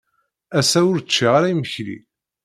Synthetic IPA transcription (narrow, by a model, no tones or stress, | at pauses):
æsæʊɾt͡ʃːiʁaɾæjiməçlḭ